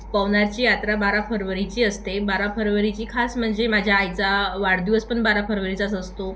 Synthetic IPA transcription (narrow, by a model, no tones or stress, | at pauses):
pəʋnaɾt͡ɕiːjat̪ɾabaɾafəɾʋəɾit͡ɕiːəst̪ebaɾafəɾʋəɾit͡ɕiːkʰasm̤əɳd͡zemad͡ʑʱjaːjt͡saʋaɽd̪iʋəspəɳbaɾafəɾʋəɾit͡sat͡səst̪o